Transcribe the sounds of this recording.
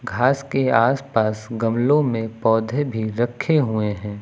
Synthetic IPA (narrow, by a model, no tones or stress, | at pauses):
ɡʱaːskeaːspaːsɡɐmlõmẽpɔːd̪ʱebʱiɾɐkʰeɦueɦɛ̃ː